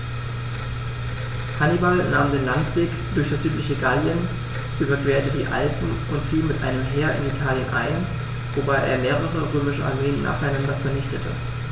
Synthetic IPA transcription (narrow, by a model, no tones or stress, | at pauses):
hanibalnaːmdeːnlaŋtv̥eːkd̥ʊɐçd̥asz̥yːtlɪçəɡaljən | ʔyːbɐɡveːɐtədḭːʔa̰lpm̩ʊntfiːlmɪtʔa̰ɪnəmɦeːɐʔɪ̰nitʰaːljənʔa̰ɪn | vobaɪʔḛːɐmeːʁ̞əʁ̞əʁøːmɪʃəʔa̰ɐmeːənːa̰ːχaɪnandɐfɛɐnɪçtətʰə̰